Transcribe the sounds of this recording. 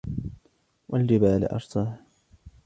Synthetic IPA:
wald͡ʒɪbaːl̰ʔɑ̰ɾˤsˤɑːh

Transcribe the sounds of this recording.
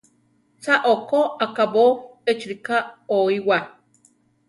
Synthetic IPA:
t͡saʔokoakaβoet͡ʃɾikaoiwa

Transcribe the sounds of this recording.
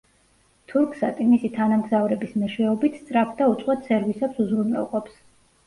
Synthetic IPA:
t̪ʰuɾkʰsat̪ʼimisit̪ʰanamɡzavɾɛbismɛʃɛɔbit̪ʰst̪sʼɾapʰd̪aut̪sʼqʼwat̪sɛɾvisɛpsuzɾunɛ̰lˠqʼɔps

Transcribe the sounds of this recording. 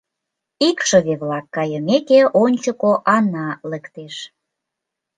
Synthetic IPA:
ikʃəβeβlɑkːɑjəmekeonʲt͡ɕəkoʔɑnɑləkt̪eʃ

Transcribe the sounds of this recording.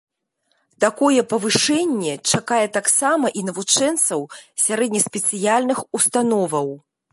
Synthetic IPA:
t̪akɔjɛpɐvɨʂɛnʲːɛt͡ʂakajɛt̪aksamɐʔinɐvut͡ʂɛnt̪sɐwsʲaɾɛd̪̚ʲnʲɐsʲpʲɛt̪sɨjalʲnɨxust̪anɔvɐw

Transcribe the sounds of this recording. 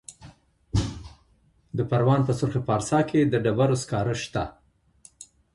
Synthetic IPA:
d̪əpaɾwɑnpəsʊɾxepɑɾsɑkʰed̪əɖabaɾoskɑɾəʃt̪a̰

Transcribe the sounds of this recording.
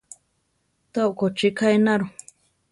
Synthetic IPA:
t̪oʔkot͡ʃikajnaɾu

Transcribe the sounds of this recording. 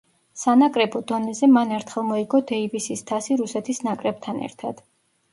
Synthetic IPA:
sanakʼɾɛbɔd̪ɔnɛzɛmanɛɾt̪ʰχɛlˠmɔiɡɔd̪ɛivisist̪ʰasiɾusɛt̪ʰisnakʼɾɛb̥̚t̪ʰanɛ̰ɾt̪ʰa̰d̪̥

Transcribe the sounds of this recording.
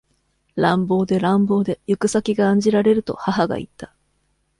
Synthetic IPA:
ɾãmbo̞ːd̪e̞ɾãmbo̞ːd̪e̞jɯkɯ̟sakʲiɡãːɲ̟d͡ʑiɾaɾe̞ɾɯ̟t̪o̞̰haɦaɡa̰ḭt̪ːḁ

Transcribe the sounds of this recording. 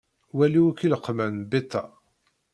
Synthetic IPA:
wæliwkːiləqːmænbet̪ːɑ

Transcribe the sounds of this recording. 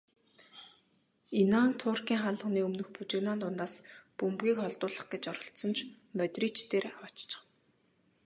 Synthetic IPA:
inaːŋt̪ʰʊːrkʲiːŋχaɮə̆χniːɵmnɵ̆xput͡ɕɪ̆ɣnaːnt̪ʰʊnaːspɵmpɣʲiːkχɔɮt̪ʊːɮə̆χɡet͡ɕɔɾɞ̆ɬt̪sɞ̆nt͡ɕʰ | mœt̪riːt͡ɕt̪eːrawat͡ɕt͡ɕɪ̥̆

